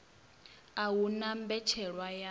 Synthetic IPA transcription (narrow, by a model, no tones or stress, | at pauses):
awunambɛt͡ʃʰɛɺwaja